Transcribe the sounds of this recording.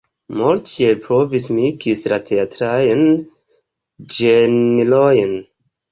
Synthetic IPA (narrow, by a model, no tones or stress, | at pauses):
moltepɾovismikislatʰeatɾajn | d͡ʒenilojn